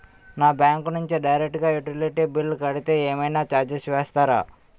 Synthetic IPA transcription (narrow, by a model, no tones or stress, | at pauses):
naːbjaːŋknuɲt͡ʃiɖɐjɾek̚ʈɡaːjuʈiliʈibilːkɐɽit̪e̞ːeːmɐjnaːt͡ʃaːɾd͡ʒisʋeːst̪aːɾa̰ː